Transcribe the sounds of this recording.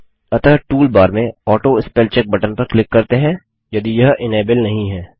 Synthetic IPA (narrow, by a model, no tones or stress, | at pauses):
ɐt̪aʈuːlbaːɾmẽɔːʈoɪspɛːlt͡ʃɛk̚bɐʈənpɐɾklɪkːɐɾt̪eɦɛ̃ː | jɐd̪ijɐɦʔɪneːbɪlnɐɦĩɦɛː